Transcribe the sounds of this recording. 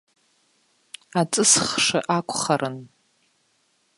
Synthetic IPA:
at͡sʼɨsχʂa̰ʔakʷʰʼχaɾʔɨn

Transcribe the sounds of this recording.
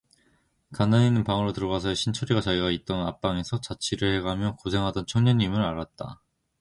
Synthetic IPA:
kanaɲinɯnpaŋɯɾotɯɾʌɡasʰʌeɕʰint͡ɕʰoɾiɡat͡ɕaiɡait̚t͈ʌnap͈̚aŋe̞sʰʌt͡ɕat͡ɕʰiɾɯɭhe̞ɡamjʌkosʰe̞ŋɦadʌnt͡ɕʰʌŋɲʌɲːimɯɾaɾat̚t͈a̰

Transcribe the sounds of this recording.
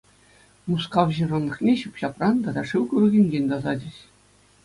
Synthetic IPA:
muskɑʋʑɯrɤ̆nːɤ̆χnʲeɕupɕɑprɑnd̪ɑd̪ɑʂɨwkurɤ̆ɡʲɘ̆nʲd͡ʑʲenʲd̪ɑzɑd͡ʑʲɘ̆ɕ

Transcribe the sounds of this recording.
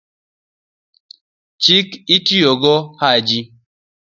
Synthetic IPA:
t͡ʃikitioɡɔhad͡ʒi

